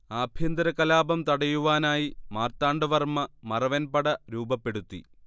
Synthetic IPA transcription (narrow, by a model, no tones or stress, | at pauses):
aːbʱjɐnd̪ɾɐkːɐlaːbɐmt̪ɐɽɐjuʋaːnaːjimaːrt̪aːɳɖɨʋɐrmɐmɐrɐʋɐnpɐɽɐɾuːbɐpːe̞ɽut̪ːḭ